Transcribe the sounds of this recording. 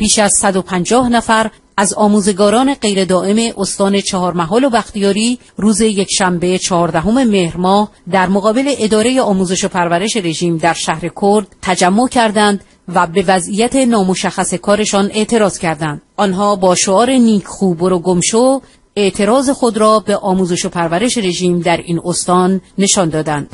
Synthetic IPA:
b̥iːʃæzsæd̪o̞pʰænd͡ʒɒːhnæfæɾ | ʔæzɒːmuːze̞ɡɒːɾɒːne̞ɢe̞jɾe̞d̪ɒːʔe̞me̞ʔost̪ɒːne̞t͡ʃʰɒɦɒːɾmæɦɒːlobæxt̪ijɒːɾiː | ruːze̞je̞cʰʃæmbet͡ʃʰɒɦɒːɾd̪æɦo̞me̞me̞hɾmɒːhd̪æɾmoɣɒːbe̞le̞ʔed̪ɒːɾe̞je̞ɒːmuːze̞ʃopʰæɾvæɾe̞ʃe̞ɾe̞ʒiːmd̪æɾʃæhɾe̞kʰoɾd̪̥̚t̪ʰæd͡ʒæmːo̞cʰæɾd̪ænd̪ | væbe̞væzijæt̪ʰe̞nɒːmo̞ʃæxːæse̞kʰɒːɾe̞ʃɒne̞ʔt̪ʰe̞ɾɒːz̥cʰæɾd̪ænd̪̥ʔɒnɦɒːbɒːʃoɒːɾe̞niːkʰxuːboɾoɡomʃo | eʔt̪ʰe̞ɾɒːze̞xo̞d̪ɾɒːbe̞ʔɒːmuːze̞ʃo̞pʰæɾvæɾe̞ʃeɾe̞ʒiːmd̪æɾḭːnost̪ɒːnːe̞ʃɒnd̪ɒːd̪ænd̪̥

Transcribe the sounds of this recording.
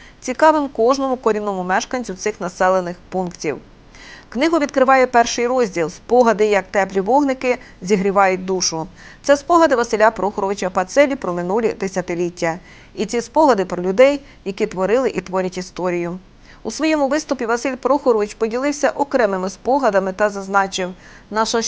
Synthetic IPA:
t͡sʲikɑʋɪmkɔʒnɔmʊkɔɾʲiwnɔmʊmɛʃkɐnʲt͡sʲʊwt̪sɪxnɐsɛlˠenɪxpunktʲḭw | knɪɦʊʋʲid̪̚kɾɪʋɑjɛpɛrʃɪjrɔzʲdʲilˠspɔɦɐd̪ɪjɐk̚t̪ɛplʲiʋɔɦnɪkɪ | zʲiɦɾʲiʋɑjʊt̚ʲd̪uʃʊt̪sɛspɔɦɐd̪ɪʋɐsɪlʲapɾɔxɔɾɔʋɪt͡ʃɐpɐt̪sɛlʲipɾɔmɪnulʲid̪esʲɐt̪ɪlʲitʲːɐ | itt͡sʲispɔɦɐd̪ɪpɾɔlʲʊd̪ɛj | jɐkʲit̪ʋɔɾɪlˠɪʔit̪ʋɔɾʲɐtʲist̪ɔɾʲijʊ | usʋɔjɛmʊʋɪst̪ʊpʲiʋɐsɪlʲpɾɔxɔɾɔʋɪt͡ʃpɔdʲilˠɪwsʲɐʔɔkɾɛmɪmɪspɔɦɐd̪ɐmɪt̪ɐzɐznɑt͡ʃɪw | nɑʃɐ

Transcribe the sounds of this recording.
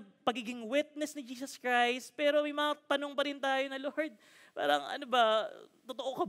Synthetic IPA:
pɐɡiːɡɪŋwɪt̪̚nɛsnɪd͡ʒiːsɐskɹajst̪̚pɛːɾo̞mɐjmɐŋat̪ɐno̞ŋpɐɾɪnt̪aːjonɐloɹd̪̚ | pa̰ːɾɐŋɐ̰nobɐt̪ot̪oʔokɐ

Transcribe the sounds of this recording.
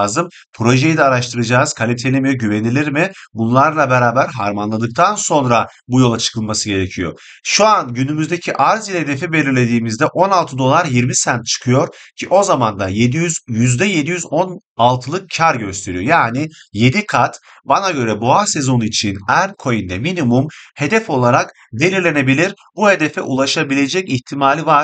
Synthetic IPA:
zɯm | pʰɾo̞ʒe̞jid̪ɛaɾaʃt̪ʰɯɾɯd͡ʒaːz̥kʰalʲit̪ʰelʲimiɟyve̞nilʲiɾmɪbunlˠaɾlˠabeɾaːbæɾɦaɾmanlˠad̪ɯk̚t̪ʰanso̞nɾa | bujo̞lˠat͡ʃʰɯ̥kʰɯlˠmasɯɟe̞ɾe̞cʰijo̞̰ | ʃuanɟynymyzd̪ecʰiʔaɾzilʲhed̪e̞fibe̞lʲiɾlʲe̞d̪iːmizd̪ɛʔo̞nalˠt̪ʰɯd̪o̞lˠaɾjiɾmisænt̪̚t͡ʃʰɯ̥kʰɯjo̞ɾcʰiʔo̞zamand̪ajed̪iyzjyzd̪ɛje̞d̪ijyzo̞nalˠt̪ʰɯlˠɯk̚cʰaɾɟø̞st̪ʰe̞ɾijo̞jaːnije̞d̪ikʰat̪ | banaɟø̞ɾɛboase̞zo̞nit͡ʃʰinæɾkʰo̞jind̪ɛminimumhe̞d̪ɛfo̞lˠaɾak | d̪e̞lʲiɾlʲene̞bilʲiɾ | buhe̞d̪efɛ̰ʔulˠaʃabilʲe̞d͡ʒɛciçt̪ʰimaːlʲivaɾ̥

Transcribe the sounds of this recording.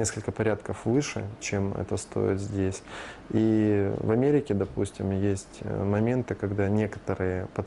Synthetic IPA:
nʲeskəlʲkəpɐɾʲat̪kəfvɨʂɨ̰t͡ɕemɛ̰t̪əst̪ʰo̞̰jɪ̰t̪zʲdʲesʲivɐmʲeɾʲɪkʲɪd̪ɐpusʲtʲɪmjesʲtʲmɐmʲe̞nt̪ɨkɐɡd̪anʲe̞kə̥t̪əɾɨjəpɐt̪

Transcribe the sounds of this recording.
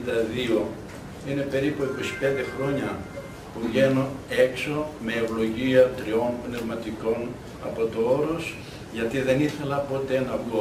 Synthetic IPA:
nd̪ɐðio̞ | ine̞pe̞ɾipueko̞si̥pe̞nd̪e̞xɾo̞ɲɐ | puvʝe̞noe̞kso̞me̞ːvlo̞ʝiɐt̪ɾio̞npne̞vmɐt̪iko̞n | ɐpo̞t̪o̞o̞ɾo̞s | ʝɐt̪iðe̞niθe̞lɐpo̞t̪e̞nɐvɣo

